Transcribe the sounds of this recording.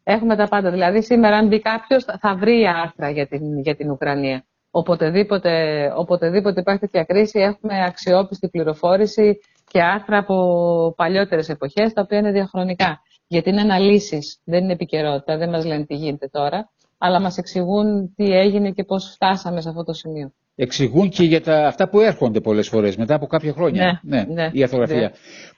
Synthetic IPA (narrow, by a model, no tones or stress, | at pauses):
e̞xume̞t̪ɐpɐnd̪ɐðilɐðisime̞ɾɐɐmbikɐpço̞sθɐvɾiːɐɾθɾɐʝɐt̪inʝɐt̪inukɾɐniɐ | opo̞t̪e̞ðipo̞t̪e̞o̞po̞t̪e̞ðipot̪e̞ipeçt̪et̪ɐkɾisie̞xume̞ɐksio̞pist̪ibliɾo̞fo̞ɾisi | ce̞ɐɾθɾɐːpo̞pɐʎo̞t̪e̞ɾe̞se̞po̞çe̞st̪ɐo̞piɐine̞ðiɐxɾo̞nikɐ | ʝɐt̪iine̞ɐnɐlisisðe̞ninepice̞ɾo̞t̪it̪ɐðe̞nmɐzle̞nt̪iʝinet̪e̞t̪o̞ɾɐ | ɐlɐmɐseksiɣunt̪ie̞ʝinece̞po̞sft̪ɐsɐmes̬eɐft̪ot̪o̞simio̞ | e̞ksiɣunce̞ʝɐt̪ɐːft̪ɐpue̞ɾxo̞nd̪e̞po̞le̞sfo̞ɾe̞sme̞t̪ɐːpo̞kɐpçɐxɾo̞ɲɐenene̞iɐɾθoɣɾɐiɐ